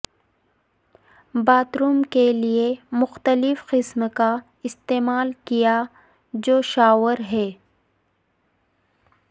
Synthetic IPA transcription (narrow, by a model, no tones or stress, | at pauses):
baːt̪ɾuːmkeliemʊxt̪əlɪfqɪsmka | ɪst̪eːmaːlkija | d͡ʒoːʃaːwəɾɦɛː